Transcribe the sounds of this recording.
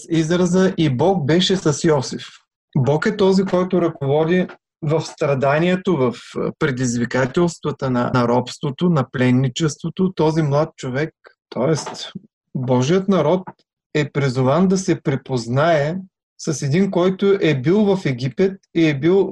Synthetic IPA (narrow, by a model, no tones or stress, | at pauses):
sizɾəzəʔibɔk̚bɛʃɛsɐsjɔsif | bɔkɛt̪ɔzikɔjt̪ʊɾɐkovɔd̪i | vɐfst̪ɾɐd̪aniɛt̪ovɐfpɾɛd̪izvikat̪ɛlˠst̪vət̪ənɐ̰nɐɾɔpst̪vot̪onɐplɛnːit͡ʃɛst̪vot̪ot̪ɔzimlˠat̪̚t͡ʃovɛk̚t̪ɔɛst̪ | bɔʒijət̪nɐɾɔt̪ | ɛpɾizʊvand̪ɐsɛpɾɛpoznaɛ | sɐsɛd̪inkɔjt̪ʊʔɛbilˠvɐfɛɡʲipɛt̪iɛbilˠ